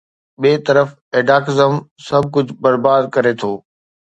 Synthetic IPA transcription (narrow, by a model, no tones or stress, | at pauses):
ɓeːt̪ɐɾəf | eːɖaːkɪzəmsɐb̚ʱkʊd͡ʑʱbɐɾbaːd̪̚kɐɾet̪ʰoː